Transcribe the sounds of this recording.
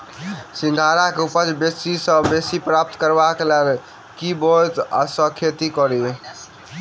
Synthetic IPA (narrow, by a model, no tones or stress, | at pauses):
sĩŋ̆ɡʱaɾakeupəd͡ʒbesisəbesipɾap̚t̪kəɾbakelel | kibot̪a̰səkʰet̪ikɔɾi